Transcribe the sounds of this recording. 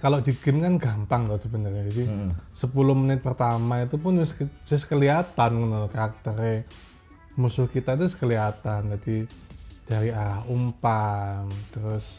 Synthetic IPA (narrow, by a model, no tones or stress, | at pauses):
kalod͡ʒiɡ̥ɪnkanɡampaŋt̪ɔhsəbənərɲad͡ʒadisəpulʊhmənɪt̪̚pərt̪amait̪̬upʊnɪskd͡ʒʊskəliat̪ankənokaɾak̚t̪əɾe | musʊhkit̪at̪uskəliat̪and͡ʒadid̥aɾiaɾahumpaŋt̪əɾʊs